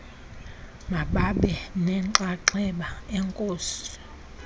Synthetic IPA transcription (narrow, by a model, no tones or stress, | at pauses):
maɓaɓɛnɛǁaǁɛɓaɛŋkʼoːsu̥